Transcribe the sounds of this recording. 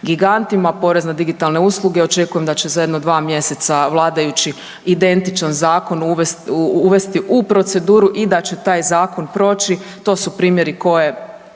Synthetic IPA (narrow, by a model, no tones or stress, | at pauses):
ɡiɡant̪imapo̞ɾe̞znad̪iɡit̪alˠne̞uslˠuɡeo̞t͡ʃe̞kuje̞md̪at͡ɕe̞zaje̞d̪nod̪ʋaːmje̞se̞t̪saʋlˠaːd̪ajut͡ʃi | id̪e̞nt̪it͡ʃanzaːko̞nuʋesuʋe̞st̪iʔupɾo̞t̪se̞d̪uːɾuʔid̪at͡ɕe̞t̪aːjzaːko̞npɾo̞ːt͡ʃit̪o̞ːsupɾiːmje̞ɾiko̞je̞